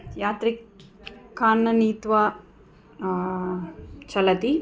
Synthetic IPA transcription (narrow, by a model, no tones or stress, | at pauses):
jaːt̪ɾikkʰːaːnːɐniːt̪ʋa | t͡ʃɐlɐt̪i